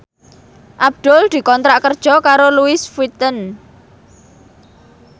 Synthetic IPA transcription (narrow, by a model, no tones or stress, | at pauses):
ʔab̚d̪̥ɔld̪̥i̤kɔnt̪ɾaʔkərd̥ʒ̥ɔ̤kaɾoluɪsfit̪ən